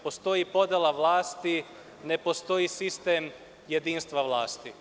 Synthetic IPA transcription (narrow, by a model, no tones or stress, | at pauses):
post̪o̞jipo̞d̪elˠaʋlˠaːst̪i | ne̞po̞st̪o̞jisist̪em | jed̪iːnst̪ʋaʋlˠaːst̪i